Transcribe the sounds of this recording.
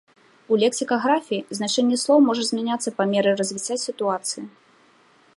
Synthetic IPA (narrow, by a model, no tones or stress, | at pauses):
ulʲɛksʲikɐɣɾafʲiiznat͡ʂɛnʲːɛslˠɔwmɔʐɐzʲmʲɛnʲat̪sːɐpɐmʲɛɾɨrɐzʲvʲit͡sʲasʲit̪uat̪sɨji